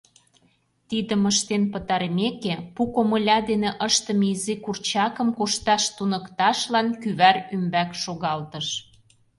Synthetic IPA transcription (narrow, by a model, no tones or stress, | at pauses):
t̪id̪əməʃt̪enpət̪ɑɾmekepukoməlʲɑd̪eneʔəʃt̪ə̆miizikurt͡ɕɑkə̆mkoʃt̪ɑʃt̪unəkt̪ɑʃlɑnkyβærymbækʃoɣɑlt̪ə̆ʃ